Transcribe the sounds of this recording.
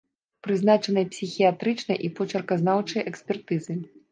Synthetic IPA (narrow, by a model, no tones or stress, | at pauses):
pɾɨzn̪at͡ʂɐnɨjɐpsʲixʲijat̪ɾɨt͡ʂnɐjʔipɔt͡ʂɐrkɐznawt͡ʂɐjʔɛksʲpʲɛrt̪ɨzɨ